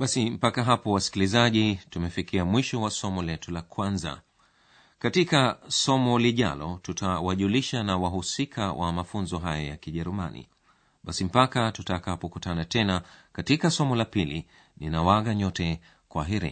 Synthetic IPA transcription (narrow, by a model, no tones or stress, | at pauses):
ɓasim̩pakaɦapɔwasi̥kilizaʄitumɛfikiamwiʃɔwasɔmɔlɛtulakwanza̰ | katikasɔmɔliʄa̰lɔtutʰawaʄuliʃanawaɦusikʰawʔa̰mafunzɔɦajajakiʄɛɾumanḭ | ɓasim̩pakatutakapɔkutanatɛnakatikasɔmɔlapili | ninawaɣaɲɔtɛ | kwaɦiɾḭ